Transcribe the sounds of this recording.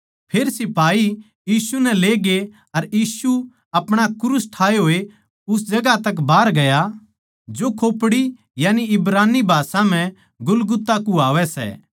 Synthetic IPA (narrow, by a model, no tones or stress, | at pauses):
pʰeːɾsɪpaːi | jiːsunɛleːɡe | ɐɾjiːsu | ɐpɽ̃akʊɾusʈʰaːeɦoːe | ʊsd͡ʒɐɡat̪ɐk̬baːɾɡɐja | d͡ʒokʰoːpɽi | jaːniɪbɾaːnibʱaːsãm̤ɛ̃ | ɡʊlɡʊt̪ːakuaːʋɛsɛ̰ː